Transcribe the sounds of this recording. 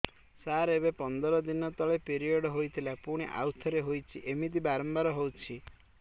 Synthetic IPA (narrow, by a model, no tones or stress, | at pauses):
saɾebepɔnd̪ɔɾɔd̪inɔt̪ɔɭepeɾiɔɽɔɦojt̪ʰilapuɽ̃iʔa̰wt̪ʰɔɾeɦojt͡ʃʰiʔemid̪̬ibaɾɔmbaɾɔɦowt͡ʃʰi